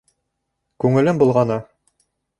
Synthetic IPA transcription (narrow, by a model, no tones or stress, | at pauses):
kʉŋɘ̆lɘmbulˠʁɑnɤ